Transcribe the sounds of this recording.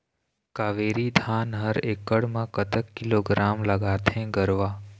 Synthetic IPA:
kaʋeɾid̪ʱanɦəɾekːəɽmãkət̪əkːiloɡɾamləɡat̪ʰẽɡəɾʋa

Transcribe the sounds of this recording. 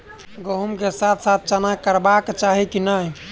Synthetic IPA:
ɡəɦumkesat̪ʰsat̪̚ʰt͡ʃanakəɾbakt͡ʃaɦikinəɦj

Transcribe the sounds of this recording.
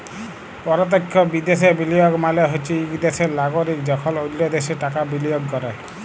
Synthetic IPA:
pɔɾɔt̪̬ekʰːɔbid̪esebilijɔɡmaleɦɔt͡ʃʰiikid̪esenaɡoɾikd͡ʒɔkʰɔlolːɔd̪eseʈakabilijɔɡːɔɾaj

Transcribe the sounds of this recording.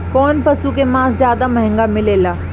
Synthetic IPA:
kɔːnpɐsukemãːszjaːd̪amɐ̃ɦɪ̃ŋɡamɪleːlaː

